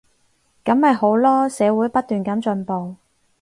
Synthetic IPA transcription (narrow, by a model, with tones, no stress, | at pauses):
kɐ˨˥mhɐ˨jho˨˥wlɔː˥sɛː˨˧wuː˨˥jpɐ˥t̚t̪yː˨nkɐ˨˥mt͡ʃɵ˧npo˨w